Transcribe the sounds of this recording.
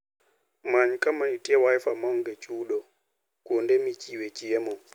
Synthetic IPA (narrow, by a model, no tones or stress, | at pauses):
maɲkamaɲtʼɛwajfamaŋɡɛt͡ʃʼuːɗɔ | kɔndɛmit͡ʃiwɛt͡ʃijɛmɔn